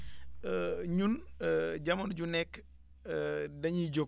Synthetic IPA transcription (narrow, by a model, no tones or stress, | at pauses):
ɲunɟɐmɐnɟunɛk | dɐɲiɟo